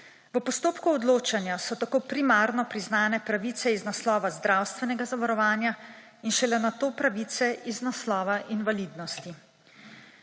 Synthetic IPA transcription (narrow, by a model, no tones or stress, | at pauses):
ʋəpɔst̪oːpkuɔd̪loːt͡ʃanjasɔt̪akoːpɾimaːɾnɔpɾiznaːnɛpɾaʋiːsɛiznaslɔːʋazd̪ɾawst̪ʋɛnɛɡazaʋaɾɔʋaːnja | inʃɛlɛnat̪oːpɾaʋit̪sɛiznaslɔːʋaʔinʋalid̪nɔst̪i